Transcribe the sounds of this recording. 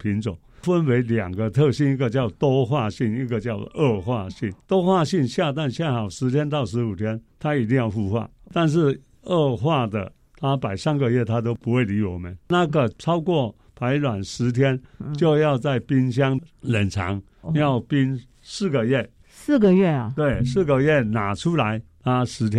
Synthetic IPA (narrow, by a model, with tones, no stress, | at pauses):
pʰi˧˥nt͡so˨˩˦ŋfə˦˥nwe˧˥ɪljɑ˨˩ŋɡə˦t̪ʰɤ˥˧ɕi˥ni˧˥ɡə˨t͡ɕjɑ˥˩ʊt̪o˥ʊxwa˥˧ɕi˥˩ni˥˧ɡə˨t͡ɕjɑ˥ʊʔə˥˧xwa˥˧ɕi˥˩nt̪o˥ʊxwa˥˧ɕi˥˧nɕja˥˧t̪̬a˥˧nɕjɛ˥˩nxɑ˨˩ʊʂɻ̩˧˥t̪ʰjɛ˥nt̪ɑ˥˩ʊʂɻ̩˧˥u˨˩t̪ʰjɛ˥nt̪ʰa˥i˨˩t̪̬i˥˧ŋjɑ˥˩ʊfu˥˧xwa̰˥˩t̪a˥˧nʂ̬ɻ̩˥˩ | ə˥˧xwa˥˩d̪ə̰˩ | t̪ʰa˥pa˨˩ɪsa˥nɡə˨jɛ˥˩t̪ʰa˥t̪̬o˥ʊpu˧˥xwe˥˩ɪli˧˥wɔ˨˩mə˦nna˥˧˩ɡə˨˩t͡sʰɑ˥ʊkwɔ˥˩ | pʰa˧˥ɪlwa˨˩nʂɻ̩˧˥t̪ʰjɛ˥nt͡ɕjo˥˧ʊjɑ˥˧ʊt͡sa˥˩ɪpi˥nɕ̬jɑ˥ŋlə˨˩nt͡sʰɑ̰˨˧˥ŋ | jɑ˥˩ʊpi˥n | sɹ̩˥˩ɡə˩jɛ˥˩ | sɹ̩˥˩ɡə˨ɥɛ˥˩ɐ˨˩t̪we˥˩ɪsɹ̩˥˩ɡə˨jɛ˥˩na˨˩ʈ͡ʂʰu˥la˧˦ɪt̪ʰa˥ʂɻ̩˧˥t̪ʰjɛ˥